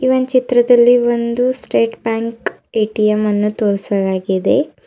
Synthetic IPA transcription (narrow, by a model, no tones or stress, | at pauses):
iʋɐnt͡ʃit̪ɾɐd̪ɐlːiʋond̪usʈeːʈbaːŋk | eːʈijɐmɐnːut̪oːɾsɐlaːɡid̪e̞